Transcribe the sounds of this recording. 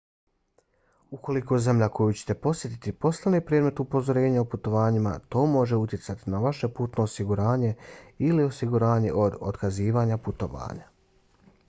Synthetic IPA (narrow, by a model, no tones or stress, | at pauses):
uko̞liko̞ze̞mʎako̞jut͡ɕet̪e̞po̞sje̞t̪i̥t̪ipo̞slenepɾeːd̪me̞t̪upo̞zo̞ɾe̞ːɲaoput̪o̞ʋaːɲima̰t̪o̞ːmo̞ʒe̞ut̪ʲjet̪sat̪inaʋaʃe̞puːt̪no̞ːsiɡuɾaːɲe̞ilio̞siɡuɾaːɲe̞̰ʔo̞d̪o̰d̪kaziːʋaːɲaput̪o̞ʋa̰ːɲa